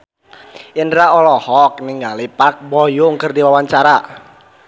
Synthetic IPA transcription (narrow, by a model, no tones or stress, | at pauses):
ənɾaɔlɔhɔk̚niŋɡalipak̚bɔjʊŋkərdiwawaɲt͡ʃaɾa